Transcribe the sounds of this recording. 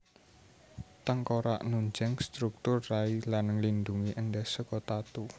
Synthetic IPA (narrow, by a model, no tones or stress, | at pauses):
t̪əŋkoɾa̰ʔnuɲd͡ʒɛŋst̪ɾuk̚t̪ʊrːailanəŋlind̪uŋiʔənɖɛsəkɔt̪at̪u